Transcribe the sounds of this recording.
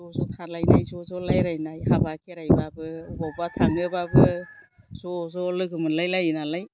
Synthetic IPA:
zɔzɔtʰalajnajzɔzɔlajɾajnajhabakʰeɾajbabɯbɔbatʰaŋɯbabɯ | z̥ɔzɔlɯɡɯmɯnlajlajɯnalaj

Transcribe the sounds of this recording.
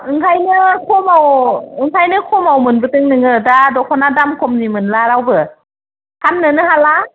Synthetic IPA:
ɯŋkʰajnɯkʰɔmawɯŋkʰajnɯkʰɔmawmɯnbɯtɯŋnɯŋɯdadɔkʰɔnadamkʰɔmnimɯnlaɾawbɯ | kʰamnɯnɯɦala

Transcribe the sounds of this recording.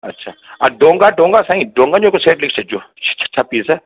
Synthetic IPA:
ɐtːʃʰaːaɖõːŋɡaɖõːŋɡasãĩɖõːŋɡaɲõkoseːʈlɪkt͡ʃʰed͡ʒoːt͡ʃʰḁt͡ʃʰḁt͡ʃʰapiːsɛ

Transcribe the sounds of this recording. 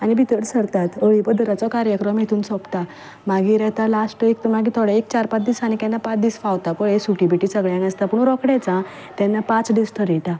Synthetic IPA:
anibʱit̪əɽsəɽt̪at̪əɭibəd̪əɾat͡sɔkaɾjəkɾəmɦet̪ʰuːnsɔpt̪a | maɡiːɾɛɦt̪alasʈəekt̪maɡiːt̪ʰɔɽaek̚t͡ɕaɾpat͡sd̪iːsanik̪ɛnːapat͡sd̪iːsfawt̪apɔɭesuʈibiʈiːsəɡɭjãɡast̪apuɳɾɔkɽɛt͡sã | t̪jɛnːapãt͡sɖisʈʰəɾiʈa

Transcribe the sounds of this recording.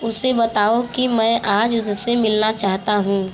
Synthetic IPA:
ʊsebɐt̪aːokimɛ̃ːʔaːd͡ʒʊzsemɪlnat͡ʃaːɦt̪aɦũː

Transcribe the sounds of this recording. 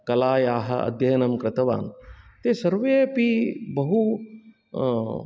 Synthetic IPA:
kɐlaːjaːɦɐ̰̆ʔɐ̰d̪ʱjɐjɐnɐmkɾɪt̪ɐʋa̰ːnt̪eːsɐɾʋeːpibɐɦu

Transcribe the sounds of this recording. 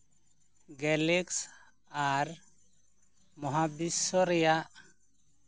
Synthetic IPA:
ɡɛleks | aɾ | mɔɦabisɔɾija

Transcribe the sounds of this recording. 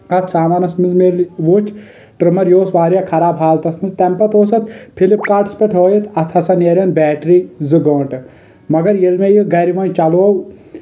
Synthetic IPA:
ɐt̪ʰsaːmaːnɐsmizmelʋut͡ʃʰ | ʈɾɨmɐɾjoːsʋaːɾjakʰɐɾaːbɦaːlt̪ɐsnɨzt̪ɛmpɐt̪oːsɐt̪ʰpʰilipkaːʈspɐʈʰɦoːjit̪ʰɐt̪ʰɐsɐneɾʲɐnbɛːʈɾizɨɡoːɳʈ | mɐɡɐɾjelmejiɡɐɾiʋɐnʲt͡ʃɐloːw

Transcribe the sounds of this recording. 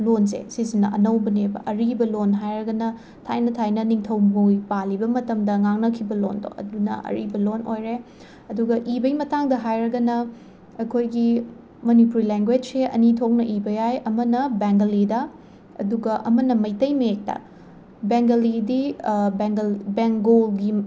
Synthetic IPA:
lonsḛsizinːɐʔɐnɐwbɐnebɐ̰ʔɐɾibɐlonɦajɾɐɡɐnɐ | tʰa̰jnɐtʰajnɐniŋtʰɐwmupalibɐmɐtɐmdɐŋaŋnɐkʰibɐlondo̰ɐ̰dunɐ̰ʔɐ̰ɾḭbɐlonʔojɾe | ɐduɡɐʔibɐimɐtaŋdɐɦajɾɐɡɐnɐ | ɐkʰojɡi | mɐnipuɾileŋɡwed͡ʒseʔɐ̰nitʰok̚nɐʔibɐjajɐmɐnɐbeŋɡɐlidɐ | ɐ̰duɡɐʔɐmɐnɐmɐjtɐjmek̚tɐ̰ | beŋɡɐlidibeŋɡɐlbeŋkɡolɡi

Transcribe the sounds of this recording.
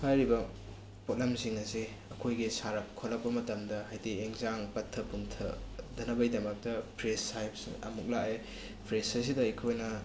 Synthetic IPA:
pʰajɾibɐ | pot̚lemsiŋɐsi | ɐkʰojɡisaɾɐp̚kʰolɐk̚pːɐmɐtɐmdɐɦajdieŋzaŋpɐtʰːɐpuŋtʰɐ̰dɐnɐbɐjdɐmɐk̚tɐpʰɾesajpsɐ̰muk̚laʔe | pʰɾesɐs̬idɐɐkʰojnɐ

